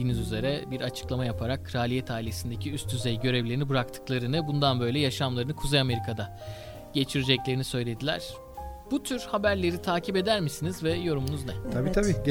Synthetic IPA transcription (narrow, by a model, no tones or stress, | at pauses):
iːnizyze̞ɾɛbiɾat͡ʃʰɯ̥klˠamajapʰaɾakʰːɾaːlʲijɛt̪ʰaːilʲe̞sind̪ecʰiyst̪ʰyzejɟø̞ɾevlʲe̞ɾinibɯɾakt̪ʰɯ̥klˠaɾɯnɯbund̪anbø̞jlʲɛjaʃamlˠaɾɯnɯkʰuzejame̞ɾikʰad̪a | ɟ̥e̞t͡ʃʰiɾed͡ʒɛclʲe̞ɾinisø̞jlʲe̞d̪ilʲæ̰ɾ̥ | b̥ut̪ʰyɾhabæɾlʲe̞ɾit̪ʰaːcʰipe̞d̪æɾmisinizvɛjo̞ɾumunuznɛt̪ʰabiːt̪ʰabiː